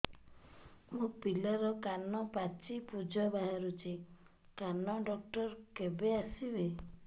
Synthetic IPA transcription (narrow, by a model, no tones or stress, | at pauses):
mũpilɔɾɔkanɔpat͡ʃipud͡ʒʱɔbaɦaɾut͡ʃʰi | kanɔɖɔk̚ʈɔɾkebeasibe